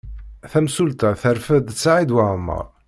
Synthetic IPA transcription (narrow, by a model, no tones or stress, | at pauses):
θæmsult̪aθəɾfəd̪t͡sːaʕid̪waʕəmːə̰ɾˤ